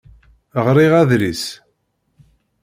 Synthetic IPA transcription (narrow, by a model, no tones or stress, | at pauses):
əʁɾiʁæðɾis